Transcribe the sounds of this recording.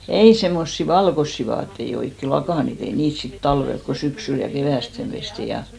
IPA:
ei semːosːi ʋɑlkosːi ʋɑːtːei oikːe lɑkɑˑnit ei niːt sit tɑlʋelk ko syksyl jɑ keʋæˑstem pesti jɑ

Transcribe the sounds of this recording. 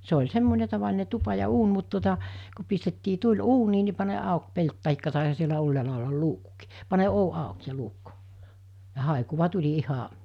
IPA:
se olʲ semːone tɑʋɑline tupɑ jɑ uːn mut tuotɑ ku pistetːiː tulʲ uːniː ni pɑneʔ ʔɑˑuk pelt tɑhikːɑ tɑˑeshɑ sielæ ylːæːlæ olːɑl luːkːukiː pɑne ou ɑˑuk jɑ luːkːu jɑ hɑˑekuʋɑ tulʲi ihɑʔ

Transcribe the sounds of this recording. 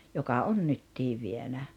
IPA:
jokɑ on nytːiː ʋienæ

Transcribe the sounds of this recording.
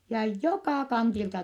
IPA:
jɑ jokɑˑ kɑntiltɑ

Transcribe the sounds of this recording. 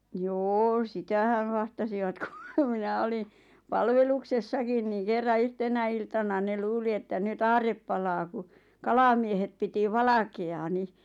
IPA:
joː sitæhæʋ̆ ʋɑhtɑsiʋɑt ku minæ olin̆ pɑlʋeluksesːɑkin ni kerːɑ yhtenæ iltɑnɑ ne luːli etːæ nyt ɑːrːep pɑlɑː ku kɑlɑmiehet piti ʋɑlɑkeɑː ni

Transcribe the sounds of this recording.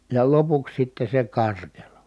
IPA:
jɑ lopuks sitːe se kɑrkelo

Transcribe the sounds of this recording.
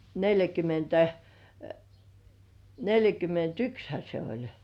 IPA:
neljækymentæ neljækymentykshæ se olʲ

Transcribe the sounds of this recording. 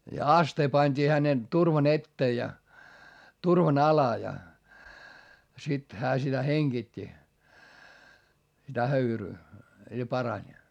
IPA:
jɑ ɑsteː pɑnʲd̥iː hænen turʋɑn etːeː jɑ turʋɑn ɑlɑ jɑ sit hæː sitæ heŋɡ̊itʲːi sitæ høyryː jɑ pɑrɑnʲ

